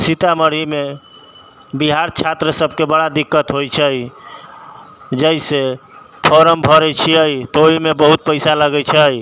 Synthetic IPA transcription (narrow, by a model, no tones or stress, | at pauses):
sit̪aməɽime | biɦaɾt͡ʃʰat̪ɾəsəbʱkebəɽad̪ikːət̪ɦojt͡ʃʰəj | d͡ʒəjse | pʰɔɾəmbʱɔɾɛt͡ʃʰiəjt̪ɔoɦimebəɦut̪̚pəjsaləɡɛjt͡ʃʰəj